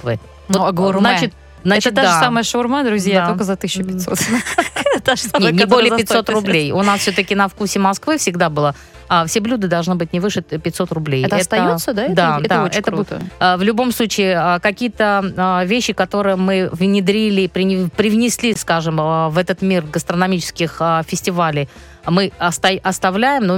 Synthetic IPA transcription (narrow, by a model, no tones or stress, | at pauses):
skvɨ̰ | noznat͡ɕɪt̪̚ | znaɛt͡ɕɪt̪ad̪asaməjəʂurmad̪ɾʊzʲjatokəzɐt̪ɨsʲɪːʊpʲɪt̪ʲsot̪ | t̪aʐnʲenʲɪbolʲɪəpɪt̪ʲso̞t̪rʊblʲejʊnasfsʲot̪əkʲɪnɐfkursʲɪmɐskvɨfsʲɪɡd̪abɨlˠə | fsʲeblʲud̪ɨd̪ɐlˠʐnɨbɨt̚ʲnʲɪvɨʂɨpʲɪtʲso̞t̪rʊblʲejɛt̪əɐɛst̪ɐjjosːəd̪aɛd̪aɛt̪əoɛtk̪əṵvlʲʊbo̞mslˠut͡ɕɪːəkɐkʲijət̪əvʲeɕːɪkɐt̪o̞ɾɨjəmɨvnʲɪd̪ɾʲilʲɪpɾʲɪpɾʲɪvnʲɪsʲlʲiskaʐɨməvɛt̪ət̪mʲirɡəst̪ɾənɐmʲit͡ɕɪ̥skʲɪxəfʲɪsʲtʲɪvalʲɪj | mɨɐst̪ɐʔɐst̪ɐvlʲæjɪmno